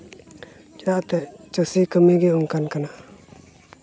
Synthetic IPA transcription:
d͡ʒaʔt̪ɛʔt͡ʃəsikəmiɡɛuŋkankana

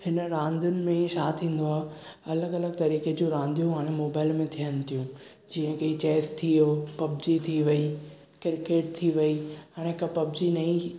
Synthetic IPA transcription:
hɪnəɾãːnd̪ʱʊnɪ̆mẽʃaːt̪ʰĩːn̆d̪oaːɦ | ɐləɡɐləɡ̚t̪ɐɾiːked͡ʑoɾãːnd̪ʱijõɦaːɽ̃emoːbaːɪlmẽt̪ʰijənɪ̆t̪ʰijũ | d͡ʑiːə̃keit͡ɕɛːst̪ʰioːpɐbd͡ʑit̪ʰiʋɐi | kɪɾkeːʈ̚t̪ʰiʋɐiɦaːɽ̃ẽkɐpɐb̚d͡ʑinɐĩ

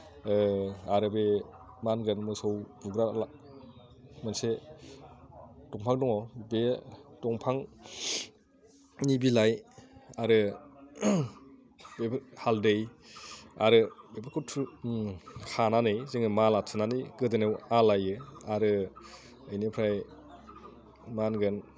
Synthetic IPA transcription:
aɾɯbe | manɡɾenmɯsɔwbuɡɾala | mɯnse | tɔŋpʰaŋdɔŋɔbetɔŋpʰaŋ | nibilajaɾɯ | bebɯɾhaldɯj | a̰ɾɯbebɯɾkʰɔtʰu | kʰananɯjzɯŋɯmalatʰunanɯjɡɯdɯnɯwalajɯaɾɯ | əjnepʰɾaj | manɡɯn

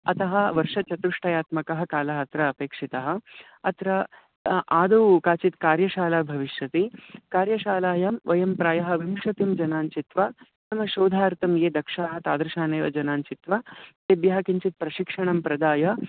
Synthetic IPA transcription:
ɐ̰t̪ɐɦɐ̆ʋɐɾʂɐt͡ʃɐt̪ɾuʂʈɐjaːt̪mɐkɐɦɐ̆kaːlɐɦɐt̪ɾɐːpeːkʂit̪ɐɦɐ̆ | ɐt̪ɾɐ | ʔaːd̪ɐːwkaːt͡ʃit̪kaːɾjɐʃaːlaːbʱɐʋiʃjɐt̪ikaːɾjɐʃaːlaːjɐmʋɐjɐmpɾaːjɐɦɐ̆ʋimʃɐt̪imd͡ʒɐnaːnt͡ʃit̪ʋɐ | t̪ɐmɐʃoːd̪ʱaːɾt̪ɐmjeːd̪ɐkʂaɦɐt̪aːd̪ɾɐʃaːneːʋɐ̰d͡ʒɐnaːnt͡ʃit̪ʋɐt̪ebjɐɦɐkiɲt͡ʃit̪̚pɾɐʃikʂɐɳɐmpɾɐd̪aːjɐ

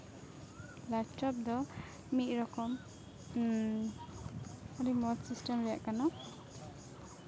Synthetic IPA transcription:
lat͡ʃɔp̚d̪ɔ | mit̪̚ɾɔkɔm | ɔɾimɔt̪sisʈemɾjaʔkanɔ

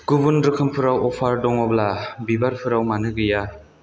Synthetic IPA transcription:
ɡ̥ubunɾɯkʰɯmpʰɯɾawɔpʰaɾdɔŋɔblabibaɾpʰɯɾawmanɯɡɯja

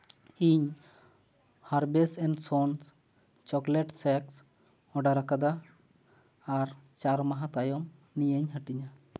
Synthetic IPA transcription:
iɲ | haɾbɛsɛnsɔns | t͡ʃɔklɛʈsɛks | ɔɖaɾakad̪a | ɾt͡ʃaɾmaɦãt̪ajɔm | nijəɲɦəʈiɲa

